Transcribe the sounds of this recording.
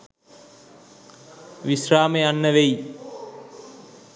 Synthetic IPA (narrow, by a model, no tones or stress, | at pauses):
ʋisraːmejanːəʋej